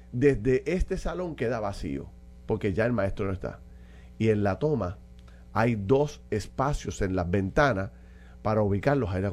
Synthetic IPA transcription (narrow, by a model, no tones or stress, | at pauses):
d̪e̞zd̪e̞ʔe̞st̪e̞salo̞ŋke̞ðaβasḭo̞̰ | po̞ɾke̞ʝae̞lmãe̞st̪ɾonoest̪a̰ | ie̞nlat̪o̞ma | ajd̪o̞se̞spasjo̞se̞nlazβẽ̞nt̪anas | paɾauβikaɾlo̞ɦajɾa